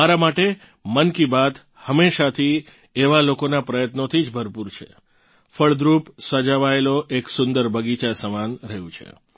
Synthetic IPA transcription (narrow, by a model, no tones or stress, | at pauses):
aɾamaʈe | mənkibat̪ | həmeʃat̪ʰi | eʋalokonapɾəjət̪not̪ʰid͡ʒbʱəɾpuɾt͡ʃʰḛ | fəɭd̪ɾupsəd͡ʒaʋaeloʔeksʊnd̪əɾbʱəɡit͡ʃasəmanɾəjũt͡ʃʰḛ